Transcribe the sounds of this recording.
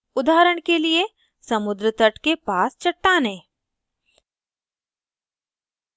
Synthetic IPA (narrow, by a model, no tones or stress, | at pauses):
ʊd̪aːɾəɽ̃kelie | sɐmʊd̪ɾət̪əʈkepaːst͡ʃɐʈːaːnẽː